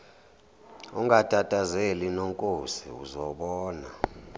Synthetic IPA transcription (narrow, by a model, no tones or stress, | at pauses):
uŋatʼatʼazelinoŋkʼosiṵzɔɓɔːna̰